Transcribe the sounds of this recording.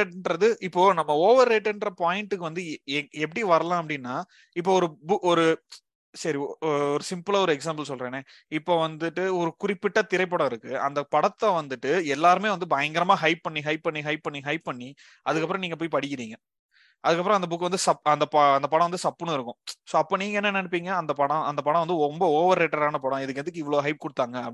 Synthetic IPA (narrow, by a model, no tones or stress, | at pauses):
eʈːɳɖɾɐðɯɪpːoːnɐmːɐoːʋɐɾːeːʈːɪnrɐpaːjɪɳʈːɯkːɯʋɐnd̪ɯɛp̬ːɐɽiʋɐɾɐlãːɐp̬ːɐɽɪnːaː | ɪpːoːɔɾɯbʊkɔɾɯ | sɐɾiɔɾɯsɪmpɯlaɔɾɯɛks̬aːmbɐlsɔlɾeːneː | ɪpːoːʋɐnd̪ɯʈːɯɔɾɯkʊrɪpːɪʈːaːt̪ɪɾɐɪp̬ːoːɽɐɪɾɯkːɯɐ̰nd̪ɐpɐɽɐt̪ːɐʋɐnd̪ɯʈːɯɛlːaːɾɯmeːʋɐnd̪ɯbɐjɐŋɡɐɾɐmaːɦɐɪpːɐɳːiɦɐɪpːɐɳːiɦɐɪp̚ːɐɳːiɦɐɪpːɐɳːi | ɐðɯkːɐp̬ːɯɾɔ̃niːŋɡɐp̬oːjpɐɽɪkːɪɾiːŋɡɐ | ɐðɯkːɐp̬ːɯɾɔ̃ɐnd̪ɐbʊkːʋɐnd̪ɯsɐpɐnd̪ɐpɐɐnd̪ɐpɐɽɐ̃ʋɐnd̪ɯsɐpːɯnɯ̃ʊɪɾɯkːʊ̃soːɐpːoːniːŋɡɐɛnːɐnːɐɳɯp̬ːiːŋɡɐɐnd̪ɐpɐɽɐ̃ɐnd̪ɐpɐɽɐ̃ʋɐnd̪ɯɔmbɐoːʋɐɾːeːʈːɐɾaːnɐpɐɽɐ̃ɪðɯk̬ːɛnd̪ɯkːɯɪʋːɐɭoːɦɐɪp̚kɔɽɯt̪ːaːŋɡɐː